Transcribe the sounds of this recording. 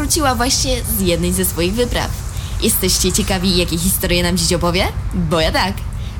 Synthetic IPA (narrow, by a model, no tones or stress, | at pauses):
ɾut͡ɕiwavwaɕɲɛzjɛd̪nɘjzɛsfɔjiɣvɘpɾa̰fjʔɛst̪ɛɕt͡ɕɛt͡ɕɛkavʲijakʲɛx̬ʲist̪ɔɾjɛnamt͡ɕet͡ɕɔpɔvʲjɛbɔjat̪ak